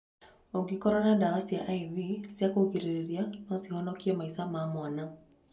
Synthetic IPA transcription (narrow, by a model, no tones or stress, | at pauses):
ɔɡikɔɾɔnadawasiaʔaivisjakokiɾiɾianɔsihɔnɔkiɛmaisamamɔna